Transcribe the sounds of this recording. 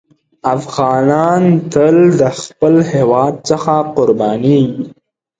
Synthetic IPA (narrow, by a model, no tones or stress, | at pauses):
afɣɑnɑnt̪əld̪əxpəlhewɑd̪̚səxaqʊɾbɑnii